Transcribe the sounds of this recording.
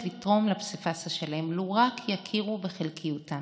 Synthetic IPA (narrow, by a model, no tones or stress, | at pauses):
litʁo̞mlapsifasaʃalemluʁakʰjakʰiʁubeχelkʰijuta